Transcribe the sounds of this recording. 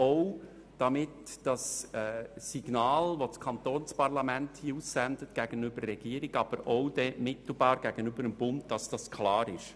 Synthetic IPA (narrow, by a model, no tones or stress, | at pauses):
oʊ | d̥ɑmɪtd̥ɑsɛsiɡ̥nɑːlʋoskʰɑnt̪oːnspɑɾlɑmænthiːusːænd̥ətɡ̥æɡ̥ənʏb̥əɾːɛɡ̥iːəɾɪɡɑb̥əɾoʊd̥ɛmɪt̪l̩bɑːɾɡ̥æɡ̥ənʏbəɾəmb̥ʊnt̚d̥ɑsd̥ɑskʰlɑːɾɪʃ